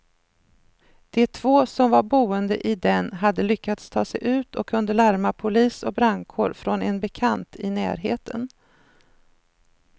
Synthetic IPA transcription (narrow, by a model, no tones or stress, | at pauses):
d̪̥ɛt̪ʰv̥oːsɔmvaɾbuːənd̪əʔɪd̪ɛnɦad̪ːəlʏkːat̪st̪ʰɑːsɛjʔʉ̟ːt̪ʰɔkʰːɵnd̪əlæɾmapʰʊliːsɔk̚bɾaŋkʰoːɖfɾɔnɛnbɛkʰant̪ʰɪnæ̰ːɾɦḛːt̪ʰən